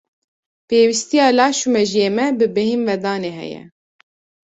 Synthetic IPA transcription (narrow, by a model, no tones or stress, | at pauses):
peːwist̪ijɑːlɑːʃumɛʒijeːmɛbɨbɛhimvɛd̪ɑːneːɦɛ̰jɛ̰